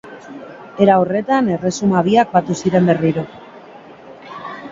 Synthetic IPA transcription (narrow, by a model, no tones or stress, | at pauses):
e̞ɾaore̞t̪ane̞re̞sumaβ̞iak̚bat̪usiɾe̞mbe̞riɾo̞